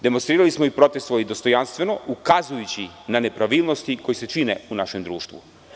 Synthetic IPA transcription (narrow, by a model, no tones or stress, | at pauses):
d̪e̞monst̪ɾiːɾalismoipɾo̞t̪e̞st̪ʋoid̪o̞st̪o̞janst̪ʋe̞no̞ukazujut͡ɕinane̞pɾaʋiːlˠno̞st̪iko̞jise̞t͡ʃineunaʃe̞md̪ɾuːʃt̪ʋṵ